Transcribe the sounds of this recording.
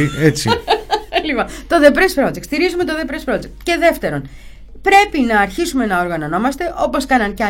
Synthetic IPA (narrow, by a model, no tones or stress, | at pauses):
iet͡sḭ | lipɐt̪o̞ðe̞pɾespɾo̞d͡zek̪st̪iɾizume̞t̪o̞ðe̞pɾespɾo̞d͡zek̚t̪ce̞ðe̞ft̪e̞ɾo̞n | pɾe̞pinɐːɾçisume̞nɐoɾɣɐno̞no̞mɐst̪e̞ʔo̞po̞skɐnɐncɐ